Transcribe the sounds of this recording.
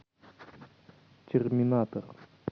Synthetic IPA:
t͡ɕaχminat̪aχ

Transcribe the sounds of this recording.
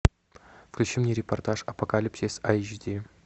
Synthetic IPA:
fklʲʉt͡ɕimnʲeɾʲɪpɐrt̪aʂɐpokalʲipsʲisat͡ʃd̪ʲi

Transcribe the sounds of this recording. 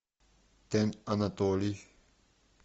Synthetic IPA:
t̪ɛnanat̪oli

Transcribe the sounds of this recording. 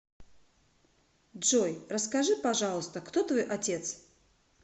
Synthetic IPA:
ʐojrəskɐʐɨpɐʐalˠəst̪əkt̪ot̪vo̞jʔɐtʲet̪s

